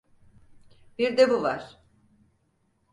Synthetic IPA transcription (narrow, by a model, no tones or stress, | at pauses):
biɾd̪ebuvaɾ̥